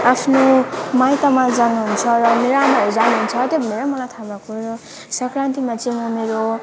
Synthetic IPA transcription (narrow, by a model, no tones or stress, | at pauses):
apʰnomajt̪amad͡zanuɦunt͡sʰʌɾʌmeɾoamaɾʌd͡zanuɦunt͡sʰʌt̪jobʱʌneɾamʌlajt̪ʰabakoɾʌ | sʌkɾant̪imat͡sʌĩmʌmeɾo